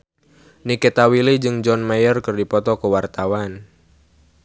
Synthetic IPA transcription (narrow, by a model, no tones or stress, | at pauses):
niket̪awilid͡ʒɨŋd͡ʒɔnmajərkɨrdipɔt̪ɔkəwart̪awan